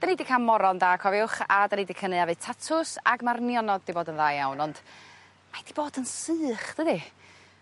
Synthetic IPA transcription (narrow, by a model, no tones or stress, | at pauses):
d̥ənidikʰanmɔɾɔndaːkʰɔvjʊχa̰danidikʰənɨavɨtʰatʰʊsa̰ɡmarnjɔnɔd̚diboːdənðaːjawnɔnd̥ | majd̥iboːdənsɨːχd̥ədi